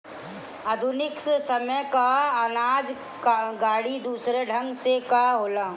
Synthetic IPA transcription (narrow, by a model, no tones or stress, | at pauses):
ad̪ʱʊnɪkssəməjkaənaːd͡ʒ | ɡaːɽid̪uːsɾeɖʱə̃ŋɡsekaɦoːlaː